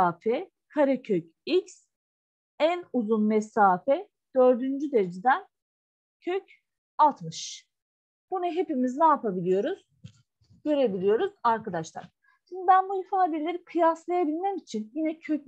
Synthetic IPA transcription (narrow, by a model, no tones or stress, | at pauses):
aːfɛ | kʰaɾɛcʰøc | ics | ænuzunmɛsaːfɛ | d̪̥ø̞ɾd̪ynd͡ʒyd̪eɾed͡ʒid̪æn | cʰøc | at̪mɯʃ | b̥unaɦe̞pimiznaːpʰabilʲijo̞ɾuz̥ | ɟ̥ø̞ɾe̞bilʲijo̞ɾuzaɾkad̪aʃlˠa̰ɾ̥ | ʃind̪ibænbuifaːd̪elʲe̞ɾikʰɯjaslˠajabilʲmɛmit͡ʃʰinjinɛcʰøc̚